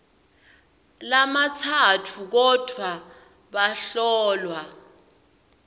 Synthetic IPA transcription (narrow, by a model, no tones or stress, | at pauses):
lamat͡sʰatʰuk̬ɔd̥ʱwa | ɓaɬɔːlwa